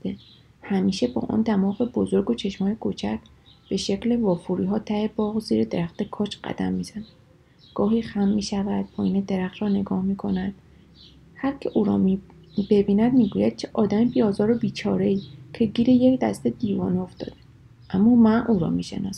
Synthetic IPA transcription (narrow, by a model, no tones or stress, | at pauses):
d̪e | hæmiːʃe̞bɒ̰ːʔɒ̰ːnd̪æmɒːɣe̞bo̞zo̞ɾɡot͡ʃʰe̞ʃmɒːjekʰot͡ʃʰæc | b̥e̞ʃe̞cle̞vɒːfuɾiːɦɒːt̪ʰæhebɒːɣoziːɾed̪e̞ɾæxt̪e̞kʰɒːt͡ʃʰɢæ̰d̪̥æ̰mːiːz̥ænæd̪̥ | ɡ̥ɒːɦiːxæmːiːʃævæd̪̥̚pʰɒːjiːned̪e̞ɾæχt̪ɾɒːne̞ɡɒːhmiːkʰo̞næd̪̥ | hæɾcʰe̞ʔuːɾɒ̰ːm | be̞biːnæd̪miːɡuːjæd̪̥̚kʰeʔɒːd̪æmibiɒːzɒːɾobiːt͡ʃʰɒːɾe̞iːcʰe̞ɟiːɾejecd̪æ̰st̪e̞d̪iːvɒ̰ːnioft̪ɒ̰ːd̪̥e | ʔæmːɒːmænʔuːɾɒ̰ːmiːʃḛnɒːs